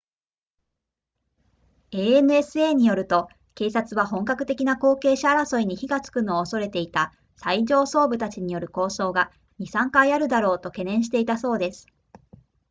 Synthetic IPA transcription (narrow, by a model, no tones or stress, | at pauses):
e̞ːenɯ̟e̞sɨe̞ːɲ̟ijo̞ɾɯ̟t̪o̞ | ke̞ːsat͡sɨβaɦõ̞ŋkakɯ̟t̪e̞kʲinako̞ːke̞ːɕaːɾaso̞iɲ̟içiɡat͡sɨ̥kɯ̟noːso̞ɾe̞t̪e̞it̪a | saiʑo̞ːso̞ːbɯ̟t̪at͡ɕiɲ̟ijo̞ɾɯ̟ko̞ːso̞ːɡa | ɲ̟isãŋkaiaɾɯ̟d̪aɾo̞ːt̪o̞ke̞nẽ̞ɰ̃ɕ̬i̥t̪e̞it̪aso̞ːd̪e̞sɨ̥